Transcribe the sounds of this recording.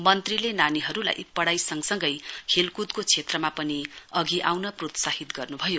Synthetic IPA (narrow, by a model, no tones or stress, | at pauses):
mʌnt̪rilenaniɦʌɾula̰jpʌɽajsʌŋɡsʌŋɡʌjkʰelkud̪kot͡sʰet̪rʌmapʌniʌɡiʔawnʌprot̪sahit̪ɡʌrnubʱʌjo